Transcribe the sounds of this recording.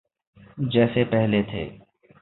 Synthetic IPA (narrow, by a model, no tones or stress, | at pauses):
d͡ʒɛːsepɛɦlet̪ʰḛː